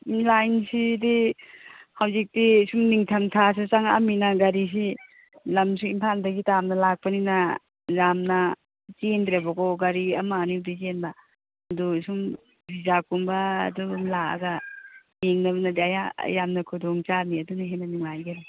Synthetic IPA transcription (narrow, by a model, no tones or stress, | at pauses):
nlajnsidi | hawzik̚disumniŋtʰɐmtʰas̬ut͡ʃaŋa̰minaɡɐɾis̬i | lɐmsuimpʰaldɐɡitamnɐlak̚panina | zamnɐ | t͡ʃend̪ɾebakɔɡɐɾiɐmaːnidizenbɐ | ɐdusum | bizakumbɐ̰ːdumlaa̰ɡɐjeŋnɐbɐnɐdiaja̰jamnɐkʰudɔŋt͡ʃaniɐdunaɦenɐniŋlajɡena